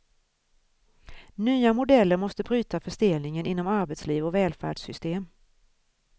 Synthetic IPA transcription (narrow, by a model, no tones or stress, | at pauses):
nyːamʊd̪ɛlːəɾmɔst̪əbɾyːt̪afœʂd̪eːlnɪŋənɪnːɔmaɾbɛt̪sliːvɔvɛːlfæ̰ːɖʂsʏst̪eːm